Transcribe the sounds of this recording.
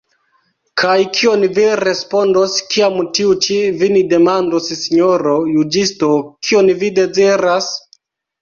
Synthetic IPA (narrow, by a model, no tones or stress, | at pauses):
kʰajkʰio̞nviɾe̞spo̞ndoskiamtiut͡ʃivinide̞mandossiɲoɾojud͡ʒisto̞kʰionvide̞ziɾas